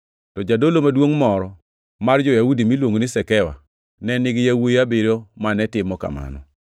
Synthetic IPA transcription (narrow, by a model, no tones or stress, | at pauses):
tɔd͡ʒadolomadwoŋmɔɾɔ | mard͡ʒɔjaudimilwoŋonɪsɛkɛwa̰ | nɛnɪɡjawojabɪɾomanɛtɪmɔka̰ma̰nɔ̰